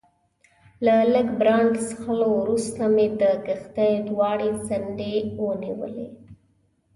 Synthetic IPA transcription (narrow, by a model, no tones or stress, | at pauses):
laləɡbɾɑɳʈsxəlowɾust̪amed̪əɡaxt̪ajd̪wɑɽezanɖewəniwə̰lḛ